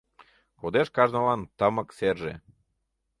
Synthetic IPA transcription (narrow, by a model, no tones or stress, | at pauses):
kod̪eʃkɑʒnəlɑnt̪əmə̆kserʒḛ